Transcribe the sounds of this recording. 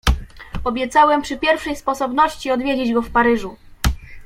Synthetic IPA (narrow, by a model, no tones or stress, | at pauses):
ɔbʲjɛt̪sawɛmpʂɘpʲjɛɾfʂɛjspɔsɔbnɔɕt͡ɕiɔd̪vʲjed͡ʑed͡ʑɡɔfpaɾɘʐu